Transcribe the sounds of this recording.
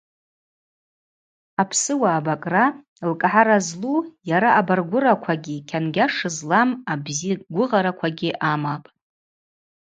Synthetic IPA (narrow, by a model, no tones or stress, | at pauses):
apʰsɨwaːbakʼra | lkʼħaɾazlujaɾaʔabarɡʷʊɾakʷʰaɡʲikʲʰanɡʲaʂɨzlamabziɡʷʊʁaɾakʷʰaɡʲiʔamapʼ